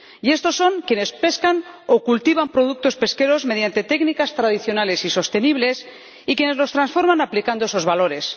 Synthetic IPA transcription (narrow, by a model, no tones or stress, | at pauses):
je̞st̪o̞sːo̞ŋkje̞ne̞spe̞skano̞kult̪iβ̞ampɾo̞ð̞uk̚t̪o̞spe̞ske̞ɾo̞zme̞ð̞jant̪e̞t̪e̞knikast̪ɾaðiθjo̞nale̞siso̞st̪e̞niβ̞le̞s | ikje̞ne̞zlo̞st̪ɾansfo̞ɾmãnaplikand̪oeso̞zβalo̞ɾe̞s